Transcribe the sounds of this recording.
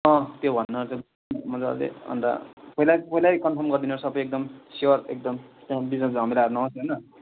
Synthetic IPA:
ʌ̃t̪jobʱʌnːʌt͡sʌ̃ | mʌd͡za̰lḛʌ̰nd̪a̰pʌilajpʌilajkʌmpʰʌrmɡʌrd̪inʌɾsʌbʌjek̚d̪ʌmseʌɾek̚d̪ʌmt̪jãbid͡znʌsɦʌmilaaɾunʌʌsɦnʌ

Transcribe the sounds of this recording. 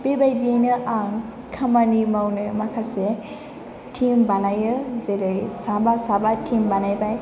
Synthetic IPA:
bebajdiejnɯʔaŋ | kʰamanimawnɯmakʰase | tʰimbanajɯzedɯjsabasabatʰimbanajbaj

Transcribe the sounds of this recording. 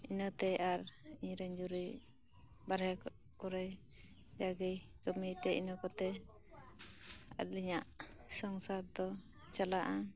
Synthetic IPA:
inət̪ɛʔaɾiɲɾɛɲd͡ʒuɾi | baɾɦɛ | kɔɾɛj | d͡ʒaɡijd͡ʒɔmit̪ɛinɔkɔt̪ɛ | a̰t̪liɲaʔsɔŋsaɾd̪ɔ | t͡ʃalaʔa

